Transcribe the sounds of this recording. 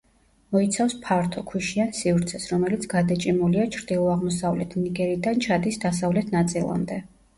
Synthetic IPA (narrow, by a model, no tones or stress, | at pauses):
mɔit̪sʰafspʰaɾt̪ʰɔkʰwiʃiansivɾt̪sʰɛsɾɔmɛlit̪sʰɡ̥ad̪at͡ʃʼimuliat͡ʃʰɾd̪ilˠɔaʁmɔsavlɛt̪ʰniɡɛɾid̪ant͡ʃʰad̪isd̪as̬avlɛt̪ʰnat̪sʼilˠa̰md̪ɛ